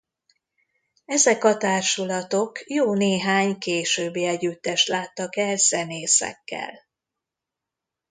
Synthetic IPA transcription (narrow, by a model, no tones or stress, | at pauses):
ɛzɛkɒt̪aːrʃulɒt̪o̞kjoːneːɦaːɲkeːʃøːbːeːɛɟyt̪ːɛʃtlaːt̪ːɒkɛlz̥ɛneːsɛ̰kːɛ̰l